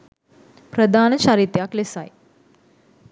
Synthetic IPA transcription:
pɾəd̪ʱaːnət͡ʃaɾit̪jaklesaj

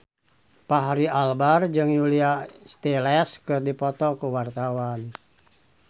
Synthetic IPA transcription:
paɦaɾialbard͡ʒɨŋjuliast̪ɛlɛskɨrdipɔt̪ɔkuwart̪awan

